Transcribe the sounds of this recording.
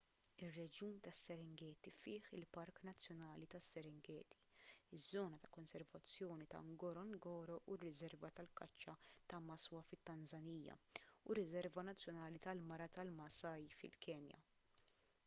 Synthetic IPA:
ɪrːɛd͡ʒuːnt̪ɐsːɛɾɪŋɡɛːt̪ifɪːħɪlpɐɾknɐt͡sːjɔnɐːlit̪ɐsːɛɾɪŋɡɛːt̪i̥ɪzːɔːnɐt̪ɐ̥kɔnsɛɾvɐt͡sːjɔːnit̪ɐ̰ŋɡɔɾɔŋɡɔːɾɔʔurːɪzɛɾvɐt̪ɐlkɐt͡ʃːɐt̪ɐmɐswɐfɪt̪ːɐnzɐniːjɐ̰urːɪzɛɾvɐnɐt͡sːjɔnɐːlit̪ɐlmɐɾɐt̪ɐlmɐsɐjfɪ̰lkɛːnjɐ̰

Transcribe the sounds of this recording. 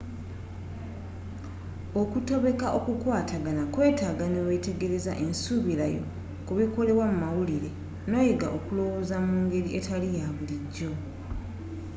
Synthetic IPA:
o̞kuto̞βe̞kaʔokukwaːtaɡanakwe̞ːtaɡaneweːte̞ɡe̞ɾe̞zaʔensuβilajo̞̰ | kuβiko̞le̞βwamumawuliɾe̞ | no̞ːjeɡa̰ʔokulo̞wozamuːŋɡe̞ɾiʔetʰalijaβuliɟːo̞

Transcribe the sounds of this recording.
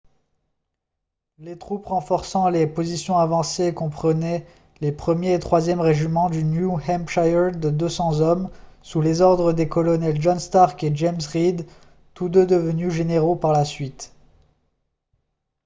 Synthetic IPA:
let̪χupʁɑ̃fɔʁsɑ̃lepozisjɔ̃avɑ̃seːkɔ̃pχənɛ | lepχəmjeːt̪χwazjɛmʁeʒimɑ̃d̪ynjuhɛmpʃajəd̪əd̪øsɑ̃zɔmsulezɔʁd̪ʁəd̪ekɔlɔnɛlʒɔnst̪aʁked͡ʒɛmsʁid̪ | t̪ud̪ød̪əvənyʒeneʁopaʁlasɥit̪

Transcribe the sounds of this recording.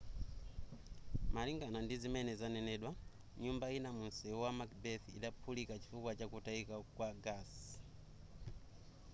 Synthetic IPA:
maliŋɡanandizimɛnɛzanɛnɛːɗwa | ɲumbainamunsɛwamakbɛθḭɗapʰulikat͡ʃi̥fukwat͡ʃakutaikakwaɡas

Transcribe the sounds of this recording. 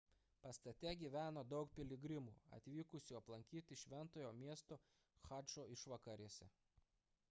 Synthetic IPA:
pɐst̪ɐt̪ʲɛɡʲiːʋʲæːnoːd̪ɒʊkpʲɪlʲɪɡɾʲɪmuːɐ̰t̪ʲʋʲiːkʊsʲuːɐplˠɐŋʲkʲiːt̪ʲɪʃʲʋʲɛnt̪oːjoːmʲiɛst̪o | xɑt͡ʃoːɪʃʋɐkɐɾʲiɛsʲɛ̰

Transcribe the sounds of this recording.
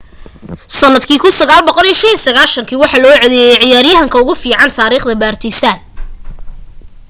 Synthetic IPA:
sɐnːɐd̪kʰiːkʰʊnsɐɣaːlbɔqɔliːɐʃɐnisɐɣaːlʃɐŋkʰiːwɑħɑːlɔːʕɛðɛjɛjʕɪjaːɾjɐɦɐŋkʰɐʊɣʊfiːʕɑnt̪ʰaːɾiːχd̪ɐbaːrt̪ʰɪsaːn

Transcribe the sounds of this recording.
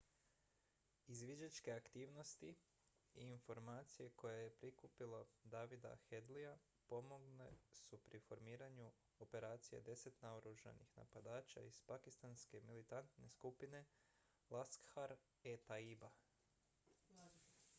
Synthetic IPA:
izʋid͡ʒat͡ʃke̞akt̪iːʋno̞st̪i | iːnfo̞ɾmaːt̪sije̞ko̞jeje̞pɾikupilad̪aːʋid̪a̰xe̞d̪lija | po̞moɡnesupɾifo̞ɾmiːɾaɲu | o̞pe̞ɾaːt̪sije̞̰d̪e̞se̞t̪naoɾuʒa̰nixna̰pad̪aːt͡ʃa̰iz̥pakist̪anske̞milit̪ant̪ne̞skupine̞ | laskxaɾ | et̪aiba

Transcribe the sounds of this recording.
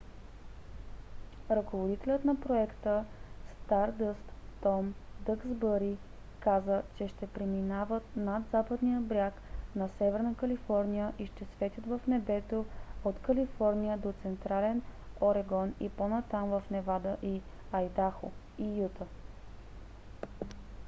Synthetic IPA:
ɾɐkovod̪it̪ɛlʲət̪nɐpɾoɛkt̪əst̪aɾd̪əst̪ːɔmd̪əkzbəɾi | kazət͡ʃɛʃt̪ɛpɾɛminavət̪nad̪zapəd̪nijəbɾʲjaknɐsɛvɛɾnəkəlifɔɾniəʔiʃt̪ɛsvɛt̪ʲjət̪vəfnɛbɛt̪oot̪kɐlifɔɾnijəd̪ot̪sɛnt̪ɾalɛnoɾɛɡɔniponɐt̪amvəfnɛvad̪əʔi | ɐjd̪axo̰ | ijut̪ə

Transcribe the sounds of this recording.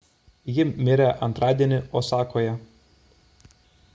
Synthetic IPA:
jɪmʲɪɾʲɛʔɐnt̪ɾɑːd̪ʲiɛnʲɪʔoːsɑːkoːjɛ

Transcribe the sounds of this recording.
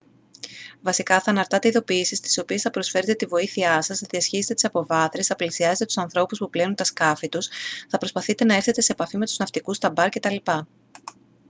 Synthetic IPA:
vɐsikɐθɐːnɐɾt̪ɐt̪e̞iðo̞piːsist̪i̥so̞pie̞sθɐpɾo̞sfe̞ɾet̪e̞t̪ivo̞iθiɐsɐzðiɐsçiset̪et̪isɐpo̞vɐθɾesθɐplisiɐze̞t̪et̪u̥sɐnθɾo̞puspuplenunt̪ɐskɐfit̪usθɐpɾo̞spɐθit̪e̞nɐe̞ɾθe̞t̪e̞se̞ːpɐfime̞t̪uznɐft̪ikust̪ɐbɐɾce̞t̪ɐlipɐ

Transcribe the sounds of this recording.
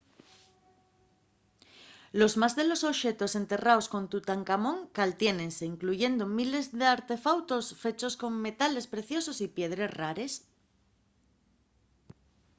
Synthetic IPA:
lo̞zmazðe̞lo̞soʃe̞t̪o̞se̞nt̪e̞raosko̞nt̪ut̪aŋkamõ̞ŋkalt̪je̞nẽ̞nse̞iŋkluʝe̞nd̪omile̞zðe̞aɾt̪e̞fawt̪o̞sfe̞t͡ʃo̞sko̞ŋme̞t̪ale̞spɾe̞θjo̞sosipje̞ð̞ɾe̞sraɾe̞s

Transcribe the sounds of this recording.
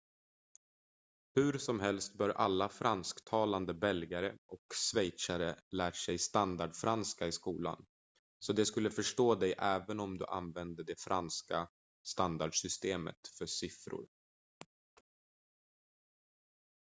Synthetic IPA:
hɵ̟ɾsɔmɦɛlst̪̚bœːɾʔa̰lːafɾanskt̪ʰɑːland̪əbɛlɡaɾəʔɔksvɛjt̪saɾəlæːʈʂɛjst̪and̪aɖfɾanskaɪskuːla̰n | sɔd̪ɛskɵlːəfœʂʈoːd̪ɛjʔɛːvənɔmd̪ɵ̰ʔa̰nvɛnd̪əɖ̪ɛfɾʔanska | st̪and̪aɖʂʏst̪eːmə̰t̪fœʂɪfɾʊ̰ɾ

